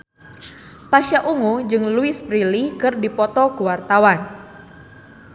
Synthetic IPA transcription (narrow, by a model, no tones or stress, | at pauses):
paʃaʔuŋud͡ʒɨŋluɪspɾilikɨrdipɔt̪ɔkuwart̪awan